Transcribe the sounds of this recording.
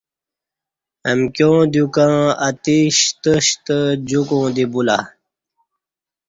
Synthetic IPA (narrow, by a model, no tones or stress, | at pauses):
əmkjõːd̪jukãat̪iɕt̪əɕt̪əd͡ʑukõːd̪ibula̰